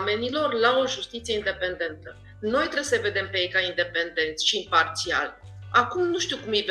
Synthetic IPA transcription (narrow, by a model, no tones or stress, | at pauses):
me̞nilo̞rlao̞ʒust̪it̪sije̞ind̪e̞pe̞nd̪e̞nt̪ə | no̞jt̪ɾeseve̞d̪e̞mpeejkaind̪e̞pe̞nd̪e̞nt̪sʲʃiːmpart̪sia̰l | akumnuʃt̪iukumjev